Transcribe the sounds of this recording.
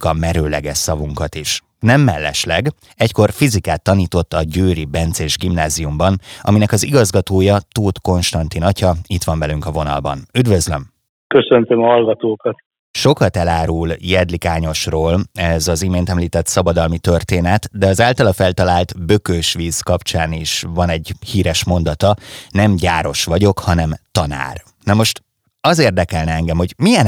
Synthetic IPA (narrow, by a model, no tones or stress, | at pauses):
kɒmɛɾøːlɛɡɛʃsɒvuŋkɒt̪iʃ | nɛmːɛlːɛ̰ʃlɛɡ | ɛcko̞rfizikaːt̪ːɒniːt̪o̞t̪ːɒɟøːɾibɛnt̪seːʒɡimnaːziumbɒnʔɒ̰minɛkɒziɡɒzɡɒt̪oːjɒt̪uːt̪ko̞nʃt̪ɒnt̪inɒcɒit̪ʋɒɱvɛlyŋkɒvo̞nɒ̰lbɒ̰nyd̪vø̞zlø̞m | køsønt̪ømɒɦɒlɡɒt̪oːkɒt̪ | ʃo̞kɒt̪ɛlaːɾuljɛd̪likaːɲo̞ʃroːlɛzɒzimeːnt̪ɛmliːt̪ɛt̪sɒbɒd̪ɒlmit̪ørt̪eːnɛt̪d̪ɛɒzaːlt̪ɒlɒfɛlt̪ɒlaːlt̪bø̞køʃʋiːzkɒpt͡ʃaːniʃvɒnɛɟhiːɾɛʃmo̞nd̪ɒt̪ɒnɛmɟaːɾo̞ʃʋɒɟo̞khɒnɛmt̪ɒna̰ːr | nɛmo̞ʃt̪ | ɒzeːrd̪ɛkɛlnɛɛŋɡɛmho̞ɟmijɛn